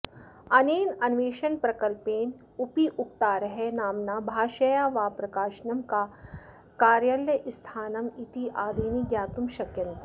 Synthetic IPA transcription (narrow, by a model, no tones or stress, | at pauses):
ɐneːnɐnʋeːʃɐnpɾɐkɐlpeːn | ʊpiʔʊk̚t̪aːɾɐɦenaːmnabʱaːʃɐjaːʋaːpɾɐkaːʃnɐmka | kaːɾjɐljɐʔɪst̪ʰaːnɐmit̪iʔaːd̪ʱeːniɡjaːt̪umʃɐkjɐ̃nt̪ɾ